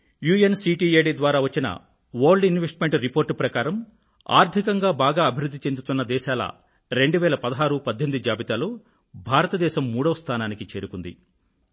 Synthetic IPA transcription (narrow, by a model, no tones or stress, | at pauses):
juːjɐnsiːʈiːeːɖid̪ʋaːɾaːʋɐt͡ʃːinɐ̰ | ʋoːɾɖinʋesʈmeɳʈɾipoːɾʈpɾɐkaːɾɐm | a̰ːɾt̪ʰikɐŋɡaːbaːɡaːɐbʱiɾud̪ʱːit͡ʃe̞nd̪ut̪unːɐd̪ɛːʃaːlɐ̰ | ɾe̞ɳɖuʋɛːlɐpɐd̪ɐɦaːɾupɐd̪ʱːend̪uid͡ʒaːbit̪aːloː | bʱaːɾɐt̪ɐd̪ɛːʃɐmːuːɽɐʋɐst̪ʰaːnaːnikit͡ʃe̞ːɾukund̪ḭ